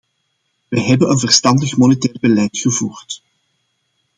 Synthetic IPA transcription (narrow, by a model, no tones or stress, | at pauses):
ʋəɦɛbənənvərstɑndəxmonetɛːrbəlɛjtxəvuːrt